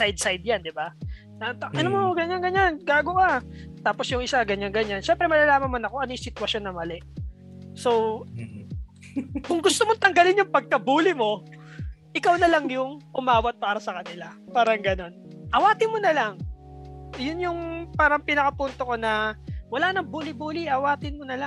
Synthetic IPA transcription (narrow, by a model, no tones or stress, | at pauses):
sajd̪̚sajd̪̚jand̪ɪba | ɐʔɐnomoɡɐɲanɡɐɲanɡaːɡoʔat̪aːpo̞sjʊŋʔɪsaɡɐɲaŋɡɐɲanʃɛmpɾɛmɐlalaːmɐnmɐnɐko̞ʔɐnojʊŋsɪt̪ʊwɐso̞nːɐmɐlɛʔ | sow | kʊŋɡʊst̪omont̪ɐŋɡɐlɪnjʊŋpɐɡ̚kɐbuːlɪmo̞ | ʔɪkawnɐlaŋjʊŋʔʊmaːwɐt̪̚paːɾɐsɐkɐnɪlapaːɾɐŋɡɐno̞nʔɐwaːt̪ɪnmonɐlaŋ | jʊnjʊŋpaːɾɐŋpɪnɐkɐpunt̪oko̞nɐwɐlaːnɐŋbuːlɪbuːlɪʔɐwaːt̪ɪnmonɐla